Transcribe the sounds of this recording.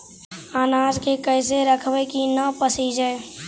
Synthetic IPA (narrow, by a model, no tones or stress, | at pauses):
aːnaːd͡ʒkekəɪs̬eɾəkʰʋekinəpəsid͡ʒəː